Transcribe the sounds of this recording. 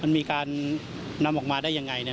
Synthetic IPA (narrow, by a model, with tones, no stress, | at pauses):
ma˧nmiː˧kaː˧nː | a˧mʔɔː˨˩k̚maː˧daː˥˩ja˧ŋːa˧jna˦˥